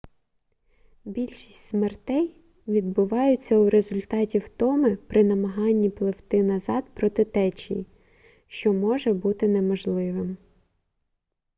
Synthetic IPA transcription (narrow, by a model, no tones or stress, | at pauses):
bʲilʲʃisʲtʲsmert̪ɛj | ʋʲid̪̚bʊʋɑjʊt͡sʲːɐwɾezʊlʲt̪ɑtʲiwt̪ɔmɪpɾɪnɐmɐɦɑnʲːiplˠɪwt̪ɪnɐzɑd̪pɾɔt̪ɪt̪ɛt͡ʃḭ | ʃt͡ʃɔmɔʒɛbut̪ɪnemɔʒlˠɪʋɪm